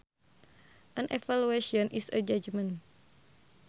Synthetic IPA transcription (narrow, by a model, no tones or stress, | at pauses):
ʔənʔɛfalueʃiɔnʔisəd͡ʒad͡ʒmə̃n